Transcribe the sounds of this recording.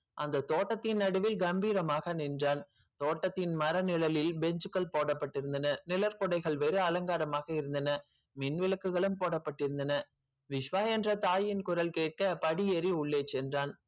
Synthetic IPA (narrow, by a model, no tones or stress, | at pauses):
ʔɐnd̪ɐt̪oːʈːɐt̪ːɪnːɐɽɯʋɪlɡɐmbiːɾɐmaːɣɐnɪndraːn | t̪oːʈːɐt̪ːɪnmɐɾɐnɪlɐlɪlbɛɲd͡ʒɯkːɐɭpoːɽɐpːɐʈːɪɾɯnd̪ɐnɐnɪlɐɾkʊɽɐɪɣɐɭʋɛɾɯɐlɐŋɡaːɾɐmaːɣɐɪɾɯnd̪ɐnɐ | mɪnʋɪlɐkːɯɣɐɭɯmpoːɽɐpːɐʈːɪɾɯnd̪ɐnɐ | ʋɪʂʋaːɛndrɐt̪aːjɪnkʊɾɐlkeːʈ̚kɐpɐɽiɛɾiʊɭːeːt͡ʃːɛndraːn